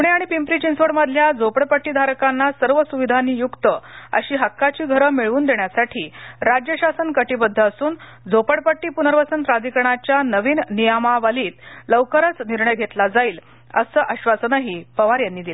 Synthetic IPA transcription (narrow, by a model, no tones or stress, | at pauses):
puɽ̃eaɽ̃ipimpɾiːt͡ɕinsʋəɽməd̪ʱljad͡zopəɽpəʈːiːd̪ʱaɾkanːasəɾʋəsuʋid̪ʱaniːjukt̪əə̰ɕiːɦakːat͡ɕiːɡʱəɾəmiɭuːnd̪eɳjasaʈʰiːɾad͡ʑjəɕasənkəʈiːbəd̪ʱːəəsuːn | d͡zopəɽpəʈːiːpunəɾʋəsənpɾad̪ʱikəɳ̃at͡ɕjanəʋiːnnijamaʋaliːt̪ləʋkəɾət͡sniɾɳəjɡʱet̪lad͡zaiːl | ə̰səːʔəɕʋasənaɦipəʋaɾjanːiːd̪il